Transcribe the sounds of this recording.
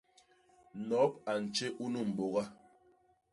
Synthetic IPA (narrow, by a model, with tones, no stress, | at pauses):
nɔ˨˦p̚a˨n̩˨t͡ʃe˦ʔu˦nu˦˨m̩˨ɓo˨ɣa˦